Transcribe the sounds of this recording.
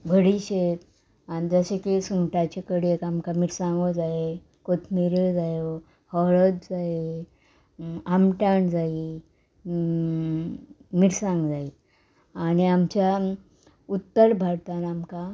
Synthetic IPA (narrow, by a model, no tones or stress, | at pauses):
bʱəɽiɕet̪ | anid͡zəɕekesuŋʈat͡ɕekəɽiekamkamiʈsãŋɡod͡zae | kot̪ʰmiɾed͡zaje | hɔɭəd̪d͡zae | amʈaɳd͡zai | miʈsãŋɡd͡zai | aɽiamt͡ɕja | ut̪ːəɾbʱaɽt̪anamka